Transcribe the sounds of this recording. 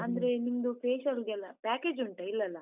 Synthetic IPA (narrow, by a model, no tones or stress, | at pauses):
ɐnd̪ɐɾeniŋd̪upʰeːʃɐɾuɡɛlːɐpaːkeːd͡ʒuɳʈɐilːɐlːɐ